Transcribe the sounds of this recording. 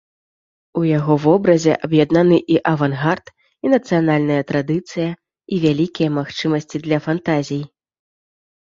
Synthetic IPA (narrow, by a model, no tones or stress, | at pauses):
ujaɣɔvɔbɾɐzʲɛ̰ʔɐbjad̪nanɨʔiʔɐvanɣart̪ | inɐt̪sɨjanalʲnɐjɐt̪ɾad̪ɨt̪sɨjɐ | ivʲalʲikʲijɐmaxt͡ʂɨmɐsʲt͡sʲid̪lʲɐfant̪azʲij